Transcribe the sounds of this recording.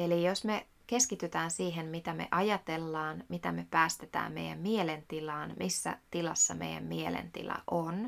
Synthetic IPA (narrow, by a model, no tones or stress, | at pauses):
elijosme̞ | ke̞skit̪yt̪æːnsiːɦemmit̪æmḛʔɑjɑt̪e̞lːɑːnmit̪æme̞pæːst̪et̪æ̰ːmmḛjæ̰mmielent̪ilɑːnmisːæ̰t̪ilɑsːɑmḛjæ̰mmielḛnt̪ḭlɑ̰ʔon